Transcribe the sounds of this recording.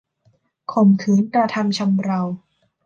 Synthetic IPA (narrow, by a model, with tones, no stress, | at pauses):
kʰo˨˩mkʰɯː˩˦npɾa˧t̪ʰa˧ŋt͡ɕʰa˧mɾa˧w